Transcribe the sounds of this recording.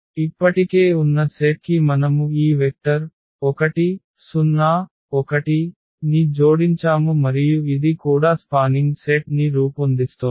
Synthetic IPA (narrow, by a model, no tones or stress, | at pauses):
ipːɐʈike̞ːunːɐseʈ̚kimɐnɐmuiːʋek̚ʈɐɾ | ɔkɐʈi | sunːaː | ɔkɐʈi | nid͡ʒoːɽiɲt͡ʃaːmumɐɾijuid̪ikuːɽaːspaːniŋɡseʈniɾuːpond̪ist̪u